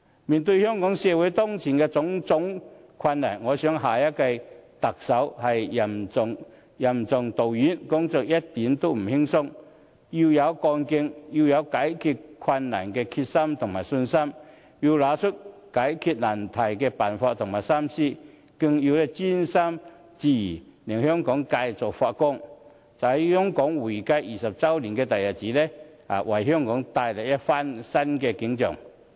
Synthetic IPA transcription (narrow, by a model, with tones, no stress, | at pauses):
miː˨˩nt̪ɵ˧jhœː˥ŋkɔː˨˥ŋsɛː˧wu˨˥jt̪ɔː˥ŋt͡sʰiː˨˩nkɛː˧t͡sʊ˨˥ŋt͡sʊ˨˥ŋ | kʰɐ˧nːa̰˨˩nŋɔː˨˧sœː˨˥ŋɦaː˨jɐ˥t̚ka˧jt̪ɐ˨k̚sɐ˨˥whɐ˨jɐ˨˩mʊ˧ŋ | jɐ˨˩mt͡sʊ˧ŋt̪o˨wjyː˨˥nkʊ˥ŋt͡sɔː˧k̚jɐ˥t̚t̪i˨˥nt̪o˥wm̩˨˩hɪ˥ŋsʊ˥ŋ | ji˧wjɐ˨˧wkɔː˧nkɪ˧ŋji˧wjɐ˨˧wkaː˨˥jkʰyː˧t̚kʰwɐ˧nːa̰ː˨˩nkɛː˧kʰi˧t̚sɐ˥mt̪ʰʊ˨˩ŋmaː˨˩jsɵ˧nsɐ˥m | ji˧wlaː˨˧˥t͡sʰʊ˥t̚ka˨˥jkʰi˧t̚na˨˩nt̪ʰa˨˩jkɛ˧pa˨˩nfaː˧t̪̚ʰʊ˨˩ŋmaː˨˩jsa˥msi˥˩ | ki˧ŋji˧wlɛ˧˩t͡si˥nsa˥m | t͡si˨˩˨ni˨˩ŋhjɔ˥ŋkɔ˨˧˥ŋka˧jt͡sɔ˨˩fa˧t̚kʊ˥˩ŋ | t͡sa˨˧˥jhjɔ˥ŋkɔː˨˦˥ŋwi˨˩ka˧jiː˨˩sɐ˨˩p̚t͡sa˥wli˨˩nkɛ˧t̪a˨˩ja˨˩t͡ɕiː˨˥˦lɛ˧a̰˨˩wʔa˨˩jɦjɔ˥ŋkɔ˨˥ŋt̪aː˧jlɛ˨˩ɛ˥fa˥nsa˥nkɛ˧ki˨˧˥ŋt͡ɕœ̰˨˩ŋ